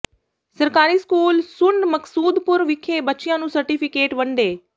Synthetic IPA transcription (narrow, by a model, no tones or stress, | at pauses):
səɾkaːɾiːskuːlsʊɳɖməksuːd̪pʊɾʋɪkʰeːbətːʃɪjãːnũːsəɾʈiːpʰɪkeːʈbəɳɖeː